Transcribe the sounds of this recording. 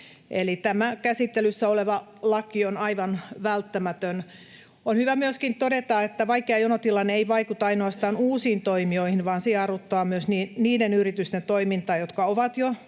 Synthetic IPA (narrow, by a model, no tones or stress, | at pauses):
ʔelit̪æmækæsit̪ːelysːæoleʋɑlɑkionɑiʋɑnʋælt̪ːæmæt̪øn | onhyʋæmyøskint̪odet̪ɑet̪ːæʋɑikːeɑjonot̪ilːɑneeiʋɑikut̪ɑinoɑst̪ɑːnuːsiːnt̪oimioihinʋɑːnsiɑrut̪ːoɑːmyøsniːniːdenyrit̪yst̪ent̪oimint̪ɑːjot̪kɑoʋɑt̪jo